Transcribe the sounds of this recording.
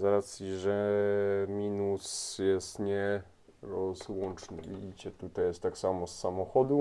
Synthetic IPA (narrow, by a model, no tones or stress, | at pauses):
zaɾat̪sʲjiʐɛ | mʲinusjɛst̪ɲɛ | ɾɔzwɔnt͡ʂnɘ̰vʲḭd͡ʑit͡ɕɛt̪ut̪ajɛst̪ːaksamɔsːamɔxɔd̪u